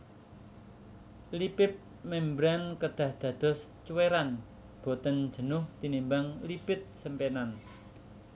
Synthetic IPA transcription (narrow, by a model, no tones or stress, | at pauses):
lipɪp̚ | mɛmbɾankəd̪̥ä̤hd̪̥ä̤d̪̥ɔ̤s | t͡ʃuweɾan | b̥o̤t̪ən̥d͡ʒ̥ə̤nʊht̪inimbaŋlipɪt̪̚səmpenan